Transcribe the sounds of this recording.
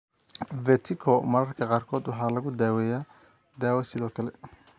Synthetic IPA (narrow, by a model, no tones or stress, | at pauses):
vɛt̪ʰɪkʰɔmɐɾɐrkʰɐqɑːrkʰɔːd̪wɑħɑːlɐɣʊd̪aːwɛːjaː | d̪aːwɛsɪðɔːkʰɐlɛ